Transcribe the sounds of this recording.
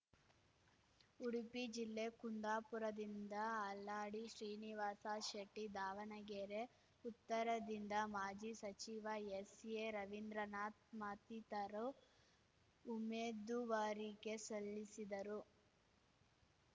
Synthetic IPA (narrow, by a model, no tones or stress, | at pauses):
uɽipid͡ʒilːe̞kund̪aːpuɾɐd̪ind̪ɐːlːaːɽiʃɾiːniʋaːsaʃɐʈːid̪aːʋɐnɐɡeːɾe̞ | ut̪ːɐɾɐd̪ind̪ɐmaːd͡ʒisɐt͡ʃiʋɐjesjeɾɐʋind̪ɾɐnaːt̪̚maːt̪it̪ɐɾo | umeːd̪uʋaːɾiɡe̞solːisid̪ɐɾu